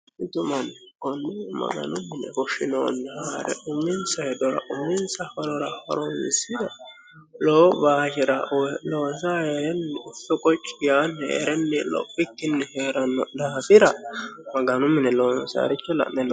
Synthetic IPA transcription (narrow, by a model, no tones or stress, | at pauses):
ɪt̪ʊmɐnkɔnːɪmɐ̰ɡɐ̰nʊmːɪnɛ̰fɔʃɪnoːnːɛhaːɾɛ̰ʔʊmːɪnsɐhɛd̪ɔɾɐ̰ʔʊmːɪnt͡sɐfɐɾɔɾɐfɐ̰ɾɔɪ̰sɪɾɐ | loːbaːʃɪɾɐloːns̬aheɾɛnːʊfɔkʼɔt͡ʃʼːɪjaːnːɛḛɾɛnːɛlɔ̰pʼːɪkːɪnːɛheːɾɐnːɔd̪aːfɪɾɐmɐɡɐnʊmːɪnɛloːnsa̰ɾɪt͡ʃːɔlɐ̰ʔnɛn